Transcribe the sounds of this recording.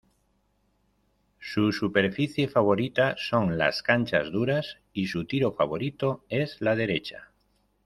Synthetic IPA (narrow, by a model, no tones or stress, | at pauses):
susupe̞ɾfiθje̞faβ̞o̞ɾit̪aso̞ŋla̰skanʲt͡ʃa̰zðuɾas | isut̪iɾo̞faβ̞o̞ɾit̪oezlað̞e̞ɾet͡ʃa̰